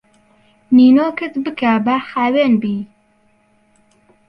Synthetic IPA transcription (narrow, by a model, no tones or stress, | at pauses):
niːnoːkɨt̪bɨkabaxaːweːnbiː